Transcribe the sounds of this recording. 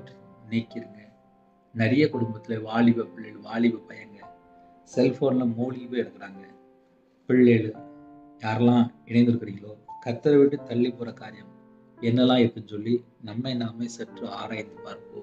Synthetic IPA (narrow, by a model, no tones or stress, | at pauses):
ʈ | neːkːɪɾɯŋɡɐ | nɐɾɐjɐkʊɽʊmbɐt̪ːɪleʋaːɭɪʋɐpɪɭːeːɭʋaːɭɪʋɯpɐjɐŋɡɐ | sɛlfoːnlɐmoːɭɪlʋeɪɽɯkːɐɾaːŋɡɐ | pɪɭːeːlɯ | jaːɾɐlãːɪɽɐɪnd̪ɪɾɯkːɪɾɪŋɡɐɭoːkɐɾt̪ːɐɾɐʋɪʈːɯt̪ɐɭːipːɔːɾɐkaːɾɪjɐm | ɛnːɐlãːɛpːɐsɔlːi | nɐmːɐɪnaːmeːsɛʈrɯaːɾaːjɪnd̪ɯpaːɾpɯ